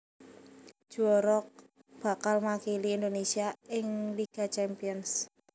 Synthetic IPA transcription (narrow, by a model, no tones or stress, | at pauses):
ʒ̥uɔɾɔk̚ | b̥a̤kalmakiliːnd̪onesiaɪŋliɡ̥a̤t͡ʃɛmpiɔns